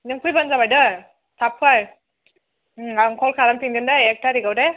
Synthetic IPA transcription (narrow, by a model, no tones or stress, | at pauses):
nɯŋkʰujbanzabajdɯ | tʰapʰaj | aŋkʰɔlkʰaɾampʰiŋɡɯndaek̚tʰaɾiɡawde